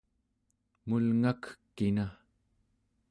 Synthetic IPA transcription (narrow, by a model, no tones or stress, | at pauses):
mulŋakkːina